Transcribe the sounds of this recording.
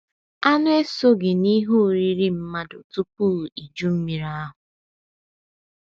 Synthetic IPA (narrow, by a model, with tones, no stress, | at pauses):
a˦nʊ˦e˦so˦ɡɪ˨ni˦ɦo˦˨ɾi˦ɾi˦m̩˦ma˦do˨tu˦pu˦˨i˨d͡ʒu˦m̩˦mi˦ɾa˦a˦ɦʊ˨